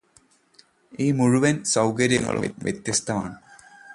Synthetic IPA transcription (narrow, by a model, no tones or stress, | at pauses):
iːmuɻuʋɐnsɐwkɐɾjɐŋːɐ̰ɭṵʋjʔḛt̪jɐst̪ɐma̰ːɳɨ